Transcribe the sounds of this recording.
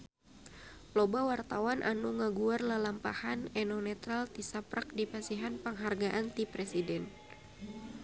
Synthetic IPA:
lɔbawart̪awanʔa̰nuŋaɡuarlalampahanɛnɔnɛt̪ɾalt̪isapɾak̚dipasiɦanpaŋɦarɡaʔant̪ipɾɛsidɛn

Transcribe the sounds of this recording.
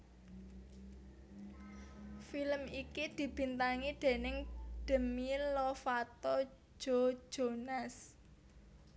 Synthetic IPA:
filəmikid̪̥i̤b̥i̤nt̪aŋid̪̥e̤nɪŋɖ̥ə̤milɔfat̪ɔ̥ | ʒ̥o̤̥d͡ʒ̥onas

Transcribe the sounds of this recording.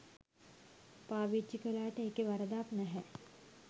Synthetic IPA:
paːʋit͡ʃːikəlaːʈəeːkeʋɐɾəd̪aːpnɛɦɛ

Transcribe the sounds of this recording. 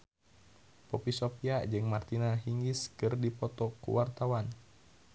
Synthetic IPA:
pɔpisopiad͡ʒɨŋmart̪inaɦiŋiskɨrdipɔt̪ɔkṵwart̪awan

